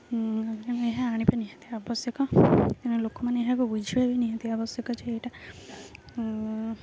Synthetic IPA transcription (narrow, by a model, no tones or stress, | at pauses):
eneɦaːɽ̃ipeniɦat̪iabɔsjɔkɔk̪iñũlokɔmaneeɦakubud͡ʒʱiebiniɦat̪iabɔsjɔkɔt͡ʃʰeejʈa